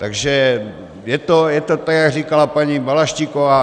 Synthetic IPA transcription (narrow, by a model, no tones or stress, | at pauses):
t̪aɡʒɛ | jɛt̪ojɛt̪ot̪aɡjaɡriːkalapaɲibalaʃcikova